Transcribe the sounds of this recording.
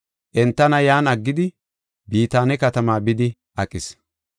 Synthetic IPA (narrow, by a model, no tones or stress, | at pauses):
ʔɛnt̪ːɐnɐjaːnɐɡːɪd̪ɪ | biːt̪aːnɛkɐt̪ɐmaːbɪd̪ɪ | ʔɐkʼɪs